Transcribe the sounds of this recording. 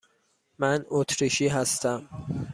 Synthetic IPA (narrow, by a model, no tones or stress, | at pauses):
mænʔot̪ʰɾiʃiːɦæst̪æm